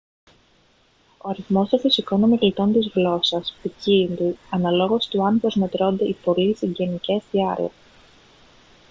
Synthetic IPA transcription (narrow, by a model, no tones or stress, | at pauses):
o̞ɐɾiθmo̞st̪ofisiko̞nomiɾlit̪o̞nt̪izɣlo̞sɐspicind̪uɐnɐlo̞ɣo̞st̪uɐnpɾo̞zme̞t̪ɾo̞nd̪eipo̞lisiɲɟe̞nice̞sθiɐɾḭḛ